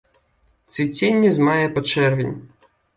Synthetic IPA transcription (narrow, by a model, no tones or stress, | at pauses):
t̪sʲvʲit͡sʲenʲːizmajɛpɐt͡ʂɛrvʲinʲ